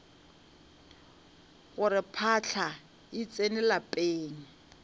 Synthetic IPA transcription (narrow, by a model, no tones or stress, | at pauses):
ɣʊɾɪpʰat͡ɬʰa | ɪt͡sʼenɪlapʼeːŋ̩